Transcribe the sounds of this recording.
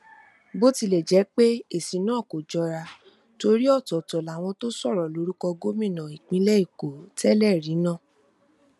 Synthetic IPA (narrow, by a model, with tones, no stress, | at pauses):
bo˦ti˧lɛ˨d͡ʒɛ˨˦k͡pe˦e˨si˨˦nũ˦ɔ˦˨ko˨d͡ʒɔ˧ɾa˧ | to˧ɾi˦ɔ˦˨tɔ˨tɔ˨la˨w̃ɔ̃˧to˦sɔ˦˨ɾɔ˨lo˨˦ɾu˦kɔ˧ɡo˦mĩ˦˨nã˨i˨k͡pĩ˧˦lɛ˦i˦˨ko˨tɛ˦lɛ˦˨ɾĩ˨˦nã˦˨